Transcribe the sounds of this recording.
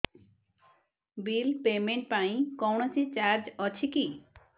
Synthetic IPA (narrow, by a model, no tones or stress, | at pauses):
bilpemeɳʈ̚paĩkɔwɳat͡ɕʰit͡ɕaɾd͡ʑɔt͡ɕʰiki